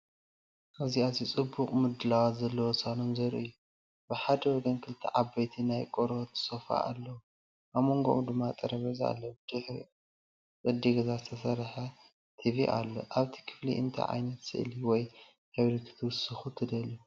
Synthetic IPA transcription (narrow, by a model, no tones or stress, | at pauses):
ʔaβziazit͡sʼɨbːuqʼmɨd̪ɨlawat̪zɐlːɐwɔsanomzɐɾ̰ʔɨjːu | bɨħad̪ɐwɔɡɐnkʰɨlt̪ʰːḭʕabɐjt̪ʰinajkʼoɾot̪ʰɨ̥sofa̰ʔa̰lːɐwu | ʔaβmo̞ŋɡo̰ʔud̪ɨmːat̪ʼɐɾɐβɐza̰lːɐwud̪̥ɨħ | kʼɨd̪ːiɡɐzazɨt̪ʰɐsɐɾħɐ | t̪ʰiβiʔa̰lːoʔaβt̪ʰi̥kʰɨ̥flḭʔɨ̰nt̪ʰɐ̰ʕa̰jnɐt̪sɨ̰ʔliwɔj | haβɾikʰɨ̥t̪ʰɨwɨsɨxut̪ʰɨd̪ɐlu